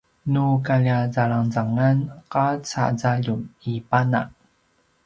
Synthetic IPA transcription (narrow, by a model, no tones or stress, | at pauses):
nukaʎazaɭaŋzaŋanqat͡sa̰zaʎumipana̰ŋ